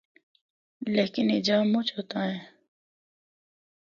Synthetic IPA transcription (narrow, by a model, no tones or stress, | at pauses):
leːkɪned͡ʒaːmʊt͡ʃɦoːt̪aːɦɛ̃ː